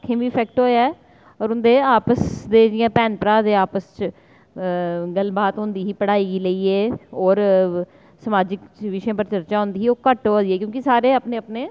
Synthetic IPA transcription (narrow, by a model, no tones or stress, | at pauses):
kʰːẽːbiːpʰɛːkʈɦoːjaːɛ | ɔːɾʊnd̪eːaːpəsd̪eːd͡ʒɪjãːpɛːnpɾaːd̪eːaːpəst͡ʃ | ɡəlbaːt̪ɦʊ̃nd̪iːɦiːpəɽaːiːɡiːləiːeːɔːɾ | səmaːd͡ʒɪkt͡ʃʋɪʃẽːp̬əɾt͡ʃəɾt͡ʃaːɦʊ̃nd̪iːɦiːoːkəʈood̪iɛːkjõːkɪsaːɾeːəpnẽːəpneː